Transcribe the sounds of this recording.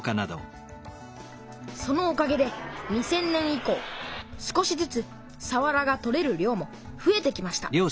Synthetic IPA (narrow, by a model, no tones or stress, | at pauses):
kanad̪o̰ | so̞no̞ːkaɡe̞d̪e̞ɲ̟isẽ̞nːẽ̞ɰ̃iko̞ːsɨ̥ko̞ɕizɨt͡sɨ | saβaɾaɡat̪o̞ɾe̞ɾɯ̟ɾʲo̞ːmo̞ | ɸɯ̟e̞t̪e̞kʲimaɕi̥t̪a̰ɾʲo̞ː